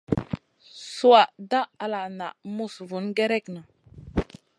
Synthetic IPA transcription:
su˦wa˨ʔda˦a˨la˨na˨mu˦svu˨˦nɡe˦ɾe˦kna˨

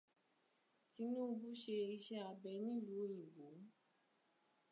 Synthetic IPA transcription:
ti˧˦nũ˦o˧bu˦ʃe˧i˧ʃɛ˦a˧bɛ˧nĩ˦lu˨˦o˦jĩ˨ɡo˨˦

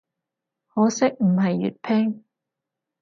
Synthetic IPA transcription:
hoː˨˥sɪ˥k̚m̩˨˩ɦɐ˨jːy̰˨t̚pʰɛː˥ŋ

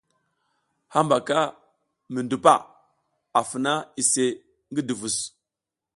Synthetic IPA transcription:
ha˦mba˨ka˦ | mi˨ndu˨pa̰˦˨ | a˨fə˨na˦i˨se˨ | ŋɡi˦du˨vu˨s

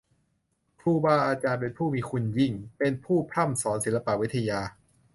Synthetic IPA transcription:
pʰuː˥˩waː˥˩ʔaː˧t͡ɕaː˧npe˧npʰuː˥˩miː˧xʰu˧nji˥˩ŋpe˧npʰuː˥˩pʰɾa˥˩msɔː˩˦nsi˨˩˦la˧pa˨ʔwi˦˥t̪ʰːa˧jaː˧

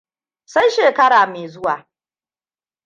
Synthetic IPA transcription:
sa˦jʃeː˨kɐ˦ɽaː˨meː˨zʊ˦waː˨

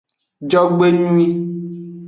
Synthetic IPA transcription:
d͡ʒɔ˦ɡ͡be˦nu˦ĩ˦

